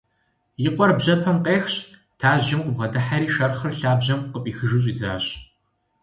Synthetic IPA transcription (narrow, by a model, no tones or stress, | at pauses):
jɪqʷʼɔrbʑɐpʰɐmqeːxɕ | tʰaːʑɪmqʷʊbʁɐdɐħaɾiːʃɐrχɨrɬaːbʑɐmqəpʼiːxɨʒɨɕ̬ʼiːd͡za̰ːɕ